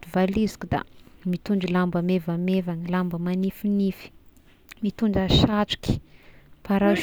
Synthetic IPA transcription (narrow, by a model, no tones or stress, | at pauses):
d̪uvalizi̥kʲud̪a̰mit̪uɳɖ͡ʐilambamevamevanilambəmanifinifi̥ | mit̪uɳɖ͡ʐaʃaʈ͡ʂu̥kʲi̥paɾa